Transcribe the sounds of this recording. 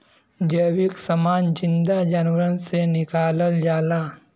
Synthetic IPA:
d͡ʒəːʋiksɐmaːnd͡ʒɪnd̪ad͡ʒaːnʋəɾənsenɪkaːləld͡ʒaːla

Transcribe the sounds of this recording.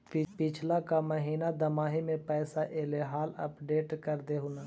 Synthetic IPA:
pɪt͡ʃʰlakamɐɦiːnad̪ɐmaːɦimẽpɛːsaʔeːleɦaːlɐ̰pɖeːʈkɐɾd̪eɦʊna

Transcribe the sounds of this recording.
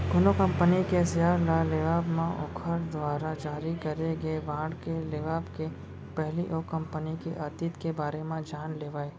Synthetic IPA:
ɡʊnokɐ̃mpənikesjaːɾlaleʋaːbmẽʔoːkʰəɾd̪ʋaːɾad͡ʒaːɾikɐɾeɡəeʋãːɽkeleʋaːbke | pɛɦliʔoːkɐ̃mpənikiʔɐt̪it̪kebaːɾemẽd͡ʒaːnleːʋaːeː

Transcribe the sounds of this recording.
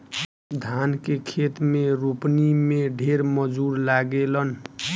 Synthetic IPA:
d̪ʱankekʰet̪meɾupnimeɖʱeɾmʌd͡zuɾlaɡelʌn

